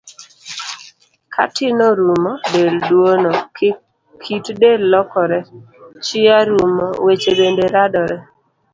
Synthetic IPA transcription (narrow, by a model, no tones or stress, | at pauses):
kʰa̰tɪnɔɾumɔdeldwonɔ | kʰitdelːɔkɔɾɛ | t͡ʃɪaɾumɔ̰wet͡ʃebendeɾadɔɾɛ